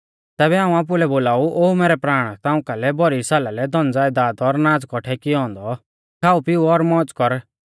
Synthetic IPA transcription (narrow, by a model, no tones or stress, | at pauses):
t̪ɛːbɛaːũaːp̬ʊlɛboːlaːuʔoːumeːɾɛpɾaːɽ̃t̪aːʊ̃kalɛbɔɾisaːlalɛd̪ʱɔ̃nd͡zaːid̪aːd̪ɔɾnaːd͡zkɔʈʰɛkɪɔ̃ːnd̪ɔ | kʰaːupɪuɔɾmɔ̃ːt͡skɔɾ